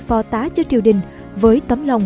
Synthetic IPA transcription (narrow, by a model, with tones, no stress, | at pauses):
fɔ˧˩t̪aː˨˦t͡ɕɔ˧t͡ɕi˧˨əwɗï˨˩ŋ̟ | vəː˨˦jt̪ə˨˦mlə˨˩wŋ͡m